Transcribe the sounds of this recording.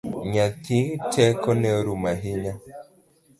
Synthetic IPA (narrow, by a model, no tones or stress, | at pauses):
ɲat̪itɛkɔnɛoɾumaɦiɲa